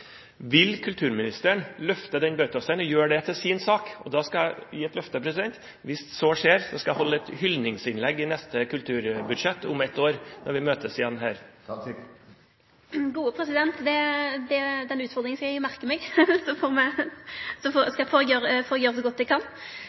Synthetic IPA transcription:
ʋɪlkʰʉlt̪ʰʉːɾmɪnɪst̪əəɳlœft̪əd̪ɛnbœːt̪ɔsænɔjøːɖɛt̪ʰɪlsiːnsɑːkɔ̰d̪ɑskɑæɪjiːɛt̪lœft̪əpʰɾɛsɪd̪ɛnt̪ | ʋɪssɔʂeːɾsɔskɑjæhɔlːəɛt̪hʏlnɪŋsɪnlɛɡːɪnɛst̪əkʉlt̪ʰʉːɾbʉd̪ʂɛt̪ːʊmɛt̪ːoːɾnɔɾʋɪmøːt̪əsɪjɛnːɦæːɾ | ɡuːəpʰɾɛsɪd̪ɛnt̪d̪ɛd̪ɛd̪ɛnʉːt̪fɔʁd̪ɾɪŋən̩skɑjæɪmæʁkəmɛɡsɔfoːɾmɛ | sɔfɔskɑfɔɾɛɡjøːɾəfɔɾɛɡjøːɾəsɛɡɔt̪̚ːd̪ɛkʰɑn

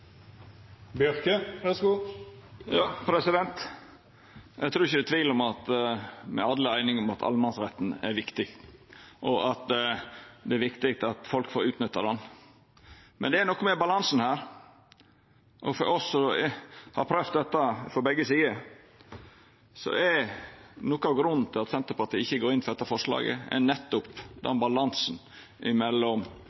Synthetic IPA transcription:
bjœɾkəʋæsɡuː | jɑːpʰɾɛsɪd̪ɛnt̪ | ʔæɡt̪ʰɾuːɾɪçəd̪ɛt̪ʋiːlɔmɑt̪mɛ̰ɑd̪ləæɪnɪŋɔmɑt̪ʰɑ̰lmɑnsɾɛt̪ːn̩æɾʋɪkt̪ɪɡʔɔʔɑt̪ | d̪ɛæɾʋɪkt̪ɪk̚t̪ɑt̪fɔlkfoːɾʉːt̪nʏt̪ːɑd̪ɛn | mɛ̰nd̪ɛːɾnɔkːɔmɛbɑlɑnsn̩hæːɾ | ʔɔfɔ̰ɾʔɔsːɔhɑ̰ɾpʰɾœft̪̚d̪ɛt̪ːɑfɾɔbɛɡːəsiːə | sɔ̰ʔɛɾnɔkːɑɡɾʉn̩ːt̪ʰɪlɑt̪sɛnt̪əɾpɑt̪ʰiɪçːəɡoːɾɪnfɔɾd̪ɛt̪ːɑfɔʂlɑ̰ːɡə̰ɛ̰nɛt̪ːʊpd̪ɛ̰nbɑlɑnsn̩ | ʔɪmɛlːɔm

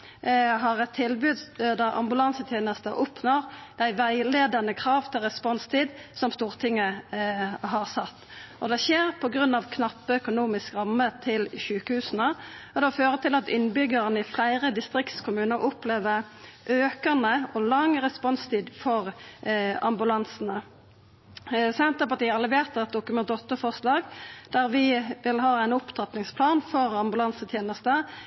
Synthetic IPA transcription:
ɦɑʁɛt̪ʰːɪlbʉːd̪d̪ɑʔɑ̰mbʉlɑnsət̪ʰjeːnəst̪əʔɔpnoʁd̪æɪʋæɪleːd̪ɑnəkʰʁɑːʋt̪ʰɪlʁɛspɔnst̪ʰiːd̪sɔmst̪uːʁt̪ʰɪŋːə | ɦɑʁsɑt̪ːɔd̪ɛʃeːʁpʰɔɡʁʉnːɑʋkʰnɑpːəœkʊnuːmɪskʁɑmːət̪ʰɪlʃʉːkəhʉːsənəɔd̪ɛɔføːʁət̪ʰɪlɑt̪ɪnːbʏɡəʁənəɪflæɪʁəd̪ɪst̪ʁɪkt̪skʰʊmʉːnəɾʔʊpleːʋəʁʔøːkənəɔlɑŋːʁɛspɔnst̪ʰiːd̪fɔʁ | ɑ̰mbʉlɑnsənə | sɛnt̪əpɑt̪iːɑlːəʋeːʁt̪ɛt̪̚d̪ʊkʉmɛnt̪ɔt̪ːəfɔʁslɑːɡd̪æʁʋɪʋɪlɦɑːæɪnʊpt̪ʰɑt̪nɪŋspʰlɑːnfɔʁɑmbʉlɑnsət̪ʰjeːnəst̪ə

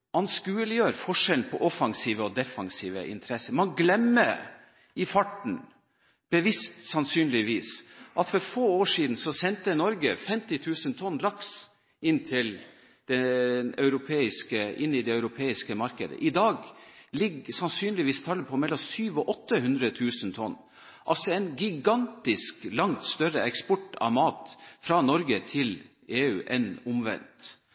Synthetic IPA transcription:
ʔɑnskʉːəlɪjøːɾfɔʂɛln̩pʰɔʔɔfɑŋsiːʋəɔd̪ɛfɑŋsiːʋə̰ʔɪ̰nt̪ʰɾɛsəmɑnɡlɛmːə | ɪfɑʈɳ̩ | b̥əʋɪst̪sɑnsyːnlɪʋiːsʔɑt̪fɔɾfoːoːʂiːd̪n̩sɔsɛnt̪ənɔɾɡəfɛmt̪ɪt̪ʰʉːsənt̪ʰɔnːlɑks | ɪnt̪ʰɪl | d̪̥ɛœʉɾʊpʰeːɪskəɪnːɪd̪ɛœʉɾʊpʰeːɪskəmɑɾkəd̪ə̰ʔɪd̪ɑːɡlɪɡsɑnsyːnlɪʋiːst̪ʰɑlːəpʰɔmɛlːɔmsyːʋɔʔɔt̪ːəɦʉnd̪ɾət̪ʰʉːsənt̪ʰɔnː | ʔɑlsɔɛnɡɪɡɑnt̪ɪsklɑŋt̪st̪œɾəʔɛkspɔʈːɑ̰ʋmɑːt̪fɾɑnɔɾɡət̪ʰɪl | eːʉːʔɛnʊmʋɛ̰nt̪

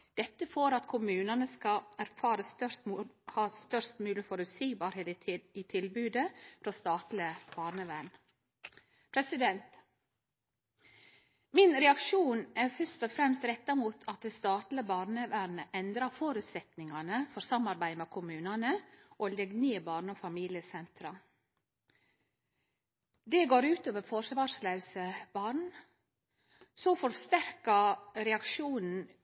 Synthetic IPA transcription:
d̪̥ɛt̪ːəfoɾɑt̪kʰʊmʉːnɑnəskɑæɾfɑːɾəst̪œhɑːst̪œst̪mʉːlɪəfɔɾʉsiːbɑːɾheːt̪it̪ʰɪlbʉːd̪əfɾɔst̪ɑːt̪lɪəb̥ɑːɾɳəʋæɳ | pʰɾɛsɪd̪ɛnt̪ | mɪnɾɛɑkʃuːnæɾfœst̪ɔfɾɛmst̪ɾɛt̪ːɑmuːt̪ʰɑt̪̚d̪ɛːst̪ɑːt̪ləbɑːɾnəʋæɳəʔɛnd̪ɾɑfoːɾʉt̪sɛt̪nɪŋɑnəfɔɾsɑmɑɾbæɪmɛkʰʊmʉːnɑnəʔoːlɛɡneːbɑːɾɳɔfɑmiːlɪəsɛnt̪ɾɑ | d̪eːɡoːɾʉːt̪oːʋəɾfɔsʋɑːɾslɑʉsəb̥ɑːɳ | soːfɔɾst̪æɾkɑɾɛɑkʃuːnn̩

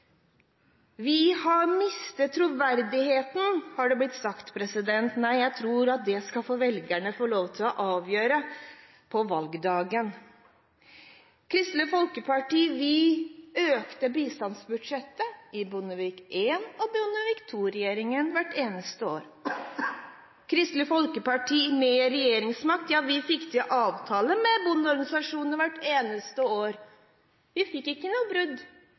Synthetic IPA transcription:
ʋɪhɑɾmɪst̪ət̪ʰːɾuːʋæɾd̪ɪheːt̪n̩hɑɖɛblɪt̪sɑkt̪pʰɾɛsɪd̪ɛnt̪næɪjæɪt̪ʰɾuːɾɑt̪̚d̪ɛskɑfoːʋɛlɡæɳəfɔɭoːʋt̪ʰɪlɔʔɑːʋjøːɾə | pʰɔʋɑlɡd̪ɑːɡən | kʰɾɪst̪ləfɔlkəpʰɑʈiːʋɪøːkt̪əbiːst̪ɑnsbʉd̪ʂɛt̪ːəɪbʊnəʋiːkʔeːnɔbɾʊnəʋiːkt̪ʰuːɾɛjeːɾɪŋənʋæʈːeːnəst̪əo̰ːɾ | kʰɾɪst̪ləfɔlkəpɑʈʰiːmɛɾɛjeːɾɪŋsmɑk̚t̪jɑːʋɪfɪkːt̪ʰɪʔɑːʋt̪ʰɑːləmɛbʊnɔɾɡɑnɪsɑʂuːnəʋæʈːeːnəst̪əoːɾ | ʋɪfɪkːɪkːənuːəbɾʉd̪

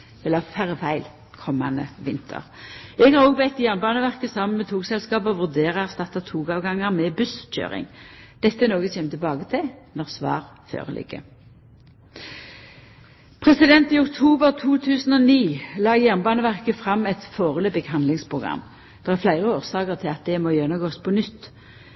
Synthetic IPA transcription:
ɛlɑfʰæʁfæɪl | kʰɔmːɑ̰nə̰ʋɪnt̪ʰə̰ʁɛɡhɑʁoːɡ̚bɛɪt̪ːjæʁnbɑːnəʋæʁkəsɑmənmɛt̪ʰuːɡsɛlskɑːpɔʋʉʁd̪eːʁɑst̪ɑt̪ːɑt̪ʰuːɡɑːʋɡɑŋːəʁmɛːbʉsc͡çø̰ːʁɪ̰ŋd̪̥ɛt̪ːəɛnoːɡəseːmət̪ɪlbɑːɡət̪ʰɪnɔʁsʋɑ̰ːʁfø̰ːʁəlʔɪ̰ɡːə̰ | pʰʁɛsɪd̪ɛnt̪iːʊkt̪ʰuːbəʁt̪ʰuːt̪ʰʉːsən̩ɔniːlɑːjæʁnbɑːnəʋæʁkəfʁɑmːɛt̪foːʁəlœbɛkɦɑnd̪lɪŋspʰʁʊɡʁɑ̰m | d̪̥ɛʁæʁflæɪʁəoːʁsɑːkəʁt̪ʰɪlɑt̪̚d̪ɛmojœnəɡoːspʰɔnʏt̪ː

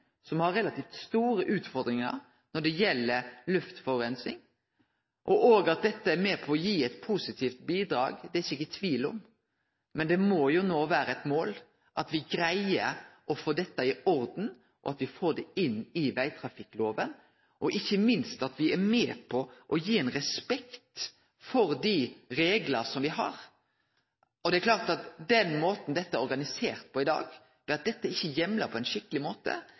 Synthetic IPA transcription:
sɔmhɑɾːɛlɑt̪iːft̪st̪uːɾəʔʉːt̪fɔɾd̪ɾɪŋə̰ɾ | nɔɖɛjɛlːəlʉft̪fɔɾɛnsɪ̰ŋ | ʔɔʔoːɡɑt̪̚d̪ɛt̪ːəɛɾmɛːpʰɔːjiːɛt̪pʰusɪt̪ʰiːft̪̚biːd̪ɾɑ̰ːɡd̪ɛæçɪkːət̪ʰʋiːlɔ̰m | mɛnd̪ɛmɔjʊnoːʋæːɾəɛt̪moːl | ʔɑt̪ʋɪɡɾæɪəɾʔɔfoːd̪ɛt̪ːɑɪɔɾd̪n̩ | ʔɔ̰ɑt̪ʋɪfoːɖ̪ɛɪnːɪʋæɪt̪ʰɾɑfɪkːloːʋən | ʔɔʔɪçːəmɪnst̪ɑt̪ʋɪɛɾmɛːpʰɔʔɔjiːɛnɾɛspɛkt̪ | fɔɾd̪ɪɾeːɡlɑsɔmʋɪɦɑ̰ɾ | ɔd̪ɛklɑːɾt̪ɑt̪d̪ɛnmoːt̪n̩d̪ɛt̪ːəæɾɔɾɡɑnɪseːɾt̪̚pʰɔɪd̪ɑ̰ːɡ | fɛɑt̪̚d̪ɛt̪ːəɪçːəjɛmləpʰɔɛɪnʃɪkːəlɪmoːt̪ə̰

